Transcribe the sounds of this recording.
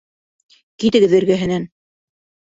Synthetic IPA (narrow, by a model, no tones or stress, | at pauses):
kit̪ɘ̆ɡɘðɘ̆ɾɡæɦɘ̆næn